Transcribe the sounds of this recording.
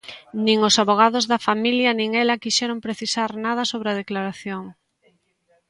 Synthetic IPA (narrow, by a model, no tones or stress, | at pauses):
nĩŋosaβoɣ̞að̞ozðɐfamiljɐnĩŋɛlɐkiʃɛɾompɾeθisaɾnað̞ɐsoβɾeɐð̞eklaɾaθjoŋ